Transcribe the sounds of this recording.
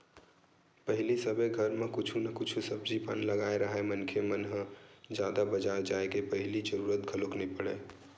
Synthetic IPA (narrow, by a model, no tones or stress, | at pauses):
pəɦlisəbʱəɡʱəɾmẽkʊt͡ʃʰunəkʊt͡ʃʰusəb̚d͡ʒipə̰nləɡaːeɾəɦɛmənkʰemənɦə̃d͡ʒjaːd̪abəd͡ʒaɾd͡ʒaːekepəɦɪlid͡ʒəɾuːɾət̪ɡʱəloknipəɽḛː